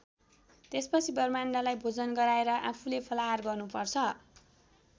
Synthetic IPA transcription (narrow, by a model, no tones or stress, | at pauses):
t̪espʌt͡sʰibʌrmandalajbʱod͡zʌnɡʌɾaeɾʌʔapʰulepʰʌlaɦarɡʌrnupʌrt͡sʰʌ